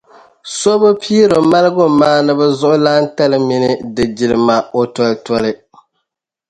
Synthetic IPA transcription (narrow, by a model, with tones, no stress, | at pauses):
so˦bɨ˦pʰiː˦ɾo˨ma˦lɨ˦ɡʊ˦maː˦nɨ˦bɛ˦zʊ˦ʔʊ˦laː˦n̩˦ta˦lɨ˦mi˦nɨ˦dɨ˨d͡ʒi˨lɨ˨ma˨o˨tɔ˨ltɔ˦lɨ˦